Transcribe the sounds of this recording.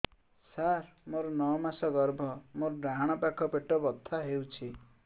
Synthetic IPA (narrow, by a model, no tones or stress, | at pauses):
saɾmoɾɔnɔmasɔɡɔɾbʱɔmoɾɔɖaɦaɽ̃ɔpakʰɔpeʈɔbɔt̪ʰːaɦewt͡ʃʰi